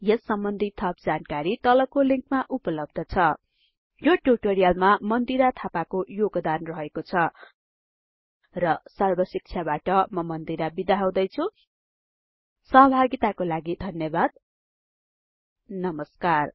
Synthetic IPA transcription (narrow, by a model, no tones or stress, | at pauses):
jʌsːʌmbʌnd̪ʱit̪ʰʌp̚d͡zankaɾit̪ʌlʌkoliŋkmaʔupʌlʌb̚d̪ʱʌt͡sʰʌ | joʈuʈoɾijalmamʌnd̪iɾat̪ʰapakojoɡd̪anrʌɦekot͡sʰʌ | rʌsʌrbʌsik̚t͡sʰjabaʈʌmʌmʌnd̪iɾabid̪aɦaw̃d̪ʌjt͡sʰu | sʌɦʌbʱaɡit̪akolaɡid̪ʱʌnjʌbad̪̚ | nʌmʌskar